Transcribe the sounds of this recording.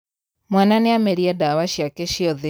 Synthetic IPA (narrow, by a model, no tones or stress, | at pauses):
mwananeameɾiadawaʃjakɛʃiɔðe